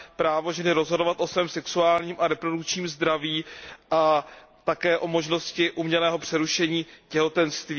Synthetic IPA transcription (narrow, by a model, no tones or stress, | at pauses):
pɾaːvo̞ʒɛnɪɾo̞zɦodovat̪ʔo̞svɛːmsɛksuaːlɲiːmʔaɾɛpɾo̞dukt͡ʃɲiːmzd̪ɾaviːʔa | t̪akɛːʔo̞mo̞ʒno̞scɪʔumɲɛlɛːɦo̞pr̥ɛɾuʃɛɲiːcɛɦo̞t̪ɛnst̪viː